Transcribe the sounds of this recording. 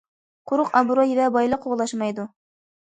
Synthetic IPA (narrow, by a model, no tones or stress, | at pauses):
qʊɾʊqɑbuɾɑjivɛbɑjlˠɑqʰoʁlˠɑʃmɑjd̪u